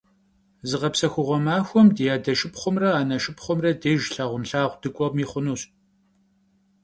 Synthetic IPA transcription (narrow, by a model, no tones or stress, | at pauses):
zɨʁɐpsɐxʷʊʁʷɔmaːxʷɔmdijaːdɐʃɪpχʷʊmrɐaːnɐʃɪpχʷʊmrɐdeːʒɬaːʁʷʊnɬaːʁʷd̥ɨkʷʼɔʁmiːχʷʊnuːɕ